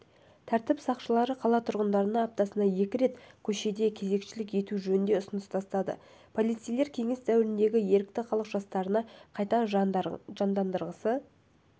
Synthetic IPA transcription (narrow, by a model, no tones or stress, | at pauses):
t̪ʰæɾt̪ɪpsɑqʃəlˠɑɾəqʰɑlˠɑt̪ʰʊɾʁənd̪ɑɾənɑɑp̚t̪ɑsənɑje̞kʲɪɾe̞t̪kʲʰɵʃe̞d̪e̞kʲʰe̞ze̞kʃɪlɪkje̞t̪uʒɵnɪnd̪e̞ʊsənəst̪ʰɑst̪ɑd̪ə̰ | pʰo̞lˠijt̪sijlˠe̞ɾkʲʰe̞ŋɪsd̪æwɪɾɪnd̪e̞ɡʲɪje̞ɾɪk̚t̪ɪχʰɑlˠəqʒ̥ɑst̪ɑɾənɑqʰɑjt̪ɑ | ʒɑnd̪ɑnd̪əɾʁəsə